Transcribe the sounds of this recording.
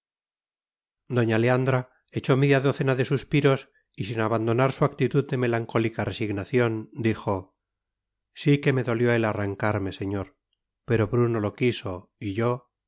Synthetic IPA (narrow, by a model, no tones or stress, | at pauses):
d̪o̞ɲaleand̪ɾa | et͡ʃo̞meðjaðo̞θenaðe̞suspiɾo̞s | isinaβand̪o̞naɾsuakt̪it̪uðd̪e̞me̞laŋko̞likare̞siɣnaθjo̞nd̪ixo̞ | sike̞me̞ðo̞ljo̞elaraŋkaɾme̞se̞ɲo̞ɾ | pe̞ɾo̞βɾuno̞lo̞kiso̞iʝo̞